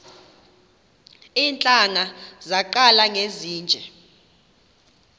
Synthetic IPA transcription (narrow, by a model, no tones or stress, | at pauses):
iːnt͡ɬʼaŋazaǃalaŋeziːnd͡ʒʱɛ